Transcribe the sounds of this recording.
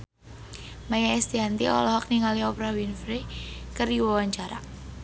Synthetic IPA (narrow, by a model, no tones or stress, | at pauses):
majaɛst̪iɦant̪iɔ̰lɔɦɔk̚niŋaliɔpɾawinfɾekəɾiwawaɲt͡ʃaɾa̰